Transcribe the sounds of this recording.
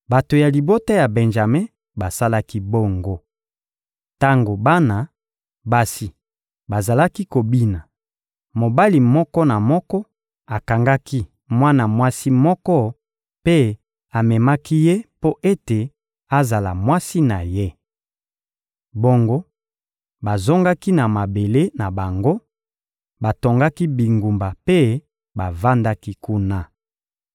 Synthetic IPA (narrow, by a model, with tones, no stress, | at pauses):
ba˨to˨ja˨li˨bo˦ta˦ja˨be˨nʒa˨me˦ | ba˨sa˦la˦ki˦bo˦ŋɡo˦ | ta˦ŋɡo˨ba˦na˨ | ba˨si˨ | ba˨za˨la˦ki˦ko˨bi˦na˨ | mo˨ba˦li˨mɔ˦kɔ˦na˨mɔ˦kɔ˦ | a˨ka˨ŋɡa˦kʰi˦ | mwa˦na˨mwa˦si˦mɔ˦kɔ˦ | pe˦ | a˨mɛ˨ma˦ki˦je˦po˦ʔe˦te˨ | a˦za˨la˨mwa˦si˦na˨je˦ | bo˦ŋɡo˦ | ba˨zo˦ŋɡa˦ki˦na˨ma˨be˨le˦na˨ba˨ŋɡo˦ | ba˨to˨ŋɡa˦ki˦bi˨ŋɡu˨mba˨pe˦ | ba˨va˦nda˦ki˦ku˦na˦